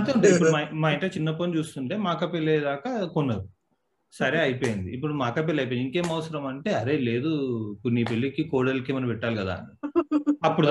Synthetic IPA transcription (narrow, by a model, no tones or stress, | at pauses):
ɐt̪euɳʈeiipːuɽumamaːjɐɳʈɐt͡ʃinːɐponit͡ʃuːst̪uɳʈe̞ːmaːkɐpelːeːd̪aːkɐkunːɐu | sɐɾeːɐjpoːjind̪ḭːpːuɽumaːkɐp̬elːɐjp̬oiniŋkeːmɐʋɐsɐɾɐmɐɳʈe̞ːɐɾe̞ːle̞ːd̪ukuniːpelːikikoːɽɐlkemɐnɐpɛʈːaːlkɐd̪a̰ː | ɐpːuɽu